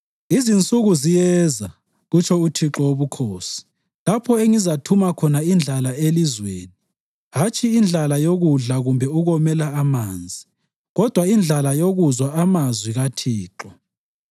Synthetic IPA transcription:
izint͡sʼuɣuzijɛza | ɣut͡ʃʰɔutʰiǁɔoβukʰoːsi̥ | lapʰɔeŋizatʰumakʰɔnaind͡ɮʱalaelizweːni | ɦat͡ʃʼʰiːnd͡ɮʱalajoɣuɮaɣumbʱɛuɣɔmɛlaːmaːnd͡zʱi | ɣɔd̥ʱwaind͡ɮʱalajoɣuzwaamazwiɣatʰiːǃɔ

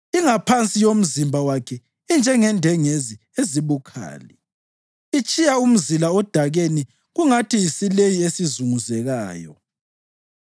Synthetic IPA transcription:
iŋapʰant͡sʼijom̩zimbʱawakʰɛ | ind͡ʒʱɛŋɛndʱɛŋezi | eziβukʰa̰ːlɛ | it͡ʃʼijaum̩zilaɔd̥ʱaɣeni | ɣuŋatʰijisilejiesizuŋuzɛɣaːjɔ̰

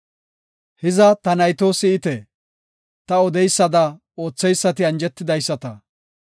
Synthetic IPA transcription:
hɪzɐt̪ɐnɐjt̪o̞ːsɪɪt̪ɛ | t̪ɐɔd̪ɛjsːɐd̪ɐ | o̞ːt͡sːɛjsːɐt̪ɪɐnd͡ʒɛt̪ːɪd̪ɐjsːɐt̪ɐ

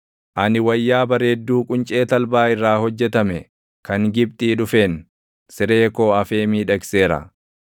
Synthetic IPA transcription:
ʔɐnɪwɐjːaːbɐɾeːd̪ːuːkʼʊnt͡ʃʼe̞ːt̪ɐlbaːɪrːaːhɔd͡ʒːɛt̪ɐmɛ | kɐŋɡɪb̚t̪ʼiːᶑʊfeːn | sɪɾe̞ːko̞ːɐfeːmiːᶑɐkseːɾɐ̰

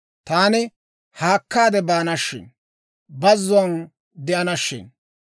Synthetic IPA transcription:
t̪aːnɪ | haːkːaːd̪ɛbaːnɐʃːɪ̰n | bɐzːʊɐn | d̪ɛʔɐnɐʃːɪ̰n

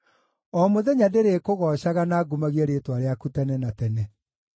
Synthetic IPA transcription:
ɔmoðɛɲadeɾekoɣɔɕaɣanaːɡumaɣieɾetwaɾeakutɛnɛnatɛnɛ

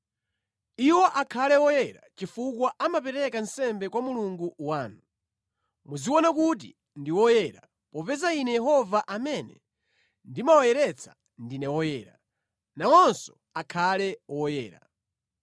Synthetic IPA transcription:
iwɔʔakʰalɛwɔjɛɾa̰t͡ʃifukwaʔamapɛɾɛkansɛmbɛkwamuluŋɡuwaːnu | muziwɔnakut̬ḭ | ndiwɔjɛɾa | pɔpɛzainɛjɛhɔvaʔamɛnɛ̰ | ndimawɔjɛɾɛt͡sʰḁ | ndinɛwɔjɛːɾa | nawɔnsɔ̥ | akʰalɛwɔjɛːɾa̰

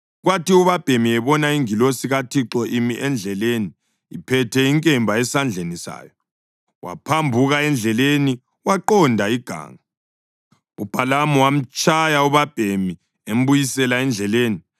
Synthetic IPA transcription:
ɣwatiuβab̥ʱemiɛβɔnaiŋilosiɣatʰiǁɔʔimiʔɛnd͡ɮʱɛleːniː | pʰɛtʰɛiŋkʼɛmbʱaɛsand͡ɮʱenisa̰ːjɔ | wa̰pʰambʱuɣaɛnd͡ɮʱɛleni | waǃɔndʱaiɡ̥ʱa̰ːŋa | ub̥ʱalamɔwam̩t͡ʃʼajauβab̥ʱemi | em̩bujisɛlaɛnd͡ɮʱɛleːni

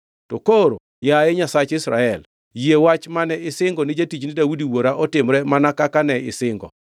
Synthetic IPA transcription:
tɔkoɾo̰ | jajɛɲasat͡ʃɪsɾa̰ɛl | jiewat͡ʃmanɛɪsɪŋɡɔnɪd͡ʒatit͡ʃnɪdawudiwoɾaʔɔtɪmɾɛmanakakanɛɪ̰sɪŋɡɔ̰

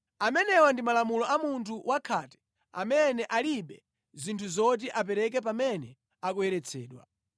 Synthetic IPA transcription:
amɛnɛwandimalamulɔʔamuntʰuwʔakʰatɛ̥ | a̰mɛnɛʔaliɓɛ | zintʰuzɔt̬iʔap̬ɛɾɛk̬ɛp̬amɛnɛ | akuɛɾɛt͡sʰɛːɗwa̰

